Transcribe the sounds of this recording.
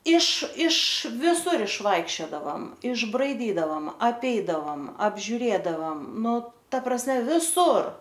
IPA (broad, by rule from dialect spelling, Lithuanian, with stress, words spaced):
ɪʃ ɪʃ ʋʲɪˈsʊr ɪʃˈʋɐɪkʃʲt͡ʃʲoːdɐʋɐm ɪʒbrɐɪˈdʲiːdɐʋɐm ɐpʲˈɛɪdɐʋɐm ɐbʲʒʲʊˈrʲeːdɐʋɐm ˈnʊ ˈtɐ prɐsʲˈmʲɛ ʋʲɪˈsʊr